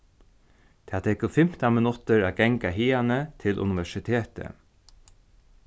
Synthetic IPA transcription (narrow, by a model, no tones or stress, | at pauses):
t̪ʰaːt̪ʰɛkəfɪm̥t̪amɪnʊt̪əɹaːɡɛŋkaɦiːanət̪ʰɪlʔʊ̰nɪʋɛʂɪt̪ʰeːt̪ə̰